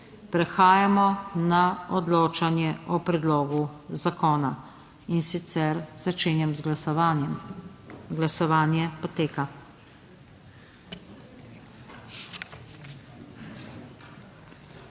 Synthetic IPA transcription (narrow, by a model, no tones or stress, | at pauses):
pɾɛxaːjamɔnaɔd̪loːt͡ʃanjɛʔɔpɾɛd̪loːɡuzakɔːna | insit̪sɛɾzat͡ʃeːnjɛmzɡɛm | ɡlasɔʋaːnjɛpɔt̪eːka